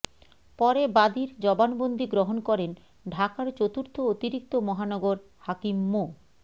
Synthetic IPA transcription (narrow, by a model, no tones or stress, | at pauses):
pɔɾebad̪iɾd͡ʑɔbanbond̪ʱiɡɾoɦonkɔɾen | ɖʱakaɾt͡ɕot̪uɾt̪ʰoot̪iɾik̚t̪omɔɦanɔɡoɾ | hakimːo